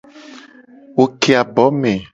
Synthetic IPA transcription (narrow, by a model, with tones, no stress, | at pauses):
wo˨ke˨a˨bɔ˨˦me˨